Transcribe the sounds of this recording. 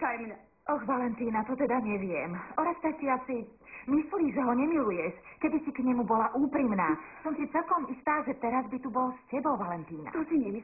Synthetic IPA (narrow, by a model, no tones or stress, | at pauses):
kajm | ʔɔxʋalɛnt̪iːnat̪ɔt̪ɛd̪aɲɛʋɪɛmɔɾast̪atiasi | misliʒɛɦɔɲɛmilujɛʃkɛbisikɲɛmubɔlaʔuːpɾimnaːsɔmsit͡sɛlkɔmist̪aːʒɛt̪ɛɾazbit̪ubɔlscɛbɔʊʋalɛnt̪iːna̰t̪ɔsiɲɛmi